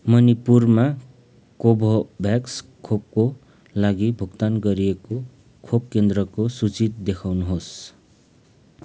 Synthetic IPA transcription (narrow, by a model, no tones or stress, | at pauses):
mʌnipurma | kobʱobʱjakskʰop̚ko | laɡibʱukt̪anɡʌɾieko | kʰob̚kend̪rʌkosut͡sit̪̚d̪ekʰawnuɦos